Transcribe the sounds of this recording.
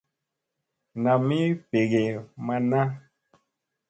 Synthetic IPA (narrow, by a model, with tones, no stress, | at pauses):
nã˨mi˦pe˨ɣe˨ma˨nã˦